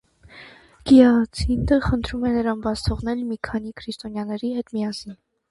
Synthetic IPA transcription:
ɡ̥iɑt͡sʰind̪əχənt̪ʰɾumɛnəɾɑnbɑt͡sʰt̪ʰɔʁnɛlmikʰɑnikʰɾist̪ɔnjɑnɛɾihɛt̪mijɑsin

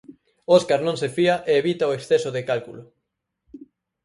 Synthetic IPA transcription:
oskaɾnõŋsefiaʔeːβit̪aoeksθesʊðekalkulʊ

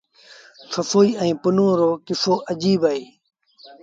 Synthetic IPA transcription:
səfoːiːə̃ĩːpʊnõːɾoːkɪsoːʔəd͡ʒiːbaːeː

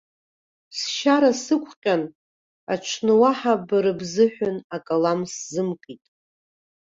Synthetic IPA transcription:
sʃaɾasɨkʷʰʼqʲʼan | aʈ͡ʂʷʰnɨwaħabɨɾɨbzɨħʷᶣʊnakʼalamszɨmkʼitʼ

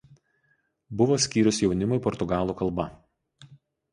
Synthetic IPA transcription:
bʊʋoːsʲkʲiːɾʲʊsjɛʊnʲɪmʊɪpɔɾt̪ʊɡɑːlˠuːkɐlˠˑbɐ

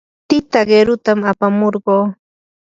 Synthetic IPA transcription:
t̪ɪt̪aɢeɾʊt̪amapamoɾɢoː

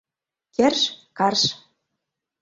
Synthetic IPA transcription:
kærʃkɑrʃ

